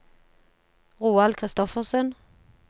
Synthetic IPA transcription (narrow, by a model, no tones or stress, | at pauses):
ʁuːɑlkʰʁɪst̪ɔfəʁsœn